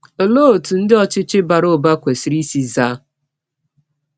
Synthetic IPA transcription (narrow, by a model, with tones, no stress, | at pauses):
o˨lo˦o˨tu˨n̩˦dɪ˦ɔ˦t͡ʃɪ˦t͡ʃɪ˦ba˨ɾo˦˨ba˦kʷe˨si˨ɾi˦si˦za˦